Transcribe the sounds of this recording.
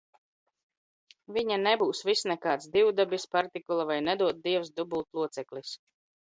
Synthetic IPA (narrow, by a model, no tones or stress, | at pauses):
viɲanɛbuːsvisnɛkaːt̪sd̪iwd̪abispaɾt̪ikulˠavajnɛd̪uɔt̪̚d̪iɛwsd̪ubulˠt̪lˠuɔt̪sɛklʲis